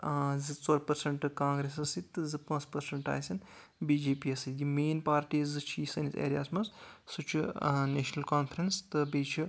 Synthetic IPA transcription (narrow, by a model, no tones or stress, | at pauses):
zɨt͡soɾpɐɾsɐɳʈɨkãːŋɡɾes̬ɐsit̪ːɨzɨpãːt͡spɐɾsɐɳʈa̰ːjsʲɐn | biːd͡ʒeːpiɐsɨjimeːnpaːɾʈiːzɨt͡ʃʰiːsɐnit̪ʰḛːɾʲja̰ːsmɐssut͡ʃʰuneːʃnɐlkaːnpʰɾɐnst̪ɨbiːt͡ʃʰi